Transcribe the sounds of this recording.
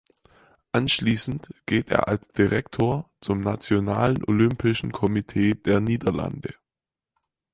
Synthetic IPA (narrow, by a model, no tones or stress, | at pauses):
ʔanʃliːsn̩tɡ̥eːtʔḛːɐʔalsd̥iʁɛktʰoːɐt͡sʊmnat͡sjona̰ːlənʔolʏmpɪʃn̩kʰɔmitʰeːd̥eːɐniːdɐla̰ndə